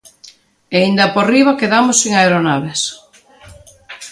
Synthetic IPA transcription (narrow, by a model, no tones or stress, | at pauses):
eind̪ɐporiβakeðamosiŋaeɾonaβ̞es